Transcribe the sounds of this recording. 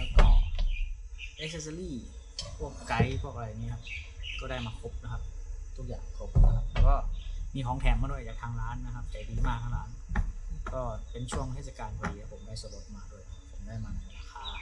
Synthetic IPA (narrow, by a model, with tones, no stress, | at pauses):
lɛ˧˩kɔː˧˩ | ʔe˦˥k̚se˧sa˧liː˥˩ | pʰu˥˩əkːa˧jpʰu˥˩ək̚a˧a˧jniː˦˥˩kʰa˦˥p̚kɔː˧˩ɾaː˥˩jmaː˧kʰo˦˥p̚na˦˧kʰa˦˧p̚t̪ʰu˦˥k̚ja̰ː˨˩ŋkʰo˦˧˥p̚na˧kʰa˧˥p̚lɛː˧˩kɔː˥˩miː˧hʰɔː˩˦ŋt̪ʰɛː˨˩˦mːaː˧du˥˩əjt͡ɕaː˨˩k̚t̪ʰaː˧ŋɾaː˦˥nːa˧kʰa˧˥p̚t͡ɕa˨˩diː˧˥maː˧˩k̚t̪ʰaː˧˥˩laː˦˥n | kɔː˧˥˩pe˧˨nt͡ɕʰu˥˩əŋt̪ʰeː˧˩sa˧kaː˨˧nkʰɔː˨˧˩diː˧hʰa˧˥˩pʰo˩˦mdaː˥˩jso˨˦o˨˧˦t̚maː˧du˥˩əjpʰo˩˦mdaː˥˩jmaː˧mi˧˩laː˧xʰaː˨˦